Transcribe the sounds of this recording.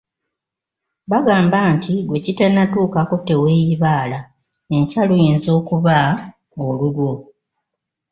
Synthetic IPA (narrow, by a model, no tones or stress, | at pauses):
βaɡaːmbantʰiɡwe̞citanatuːkako̞te̞we̞ːjiβaːla | ecalujiːnzo̞ːkuβa | olulwo̞